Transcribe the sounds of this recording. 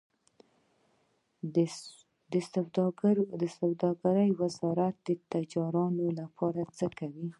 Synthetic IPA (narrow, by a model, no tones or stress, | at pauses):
d̪əs | d̪əsawd̪ɑɡaɾəjwɪzɑɾat̪̚d̪ət̪ad͡ʒɑɾɑnolapʰɑɾat͡səkawi